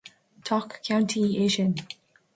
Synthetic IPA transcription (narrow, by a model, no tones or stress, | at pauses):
tʰɔkʰːãwntʰieʃən